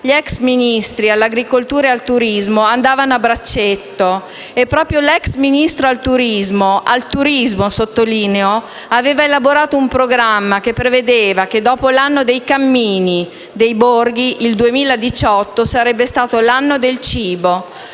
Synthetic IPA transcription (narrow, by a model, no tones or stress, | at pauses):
ʎɛksminist̪ɾialːaɡɾikolt̪uːɾealt̪uɾizmoand̪aːvanoabːɾat͡ʃːet̪ːo | epːɾɔːpɾjolɛksminist̪ɾoalt̪uɾizmoʔalt̪uɾizmosot̪ːoliːneo | aveːvaelaboɾaːt̪oumpɾoɡɾamːak̟epːɾeved̪eːvak̟ed̪ɔːpolanːod̪ejkamːiːni | d̪ejborɡiʔild̪uemiːlad̪it͡ʃɔt̪ːosaɾɛbːest̪aːt̪olanːod̪elt͡ʃiːbo